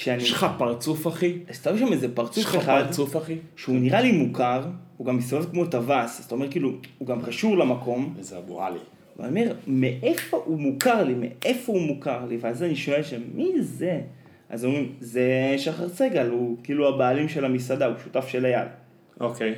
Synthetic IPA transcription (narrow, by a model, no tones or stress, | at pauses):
ʃeaniʃχapaʁt͡sufaχiazt̪aʃamezepaʁt͡sufeχaad̪t͡sufaχiʃeuniʁalimukaʁuɡamːist̪ovevkmo̞tavasaz̥t̪aome̞ʁkiːluuɡamkaʃuʁlamako̞mzeabo̰ʁa̰lḭ | v̰o̰me̞ʁmeʔefo̞ʔumukaʁlimḛʔe̞fo̞umukaʁliveazaniʃo̞elʃamize̞ | ʔa̰zomʁimzeʃaχaʁt͡seɡalukiːluabaːlimʃe̞lamisadauʃutafʃe̞laja̰l | okej